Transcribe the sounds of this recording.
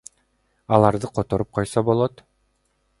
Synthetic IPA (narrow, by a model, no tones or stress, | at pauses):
ɑlˠɑɾd̪ɯqʰot̪o̞ɾup̚qʰojsobo̞lˠot̪